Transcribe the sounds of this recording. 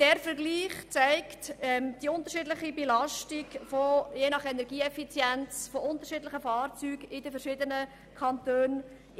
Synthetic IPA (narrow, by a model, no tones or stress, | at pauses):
d̥ɛɾfɛɾɡliːχt͡sæɪktɛmd̥iʊnt̪əɾʃɪdlɪχibelɑʃtɪɡfojeːnɑχɛnɛɾɡiːɛfit͡sjɛnt͡sfoʔʊnt̪əɾʃɪːdlɪχəfɑːrt͡syːɡɪdəfɛʃɪdənə | kʰɑntøːn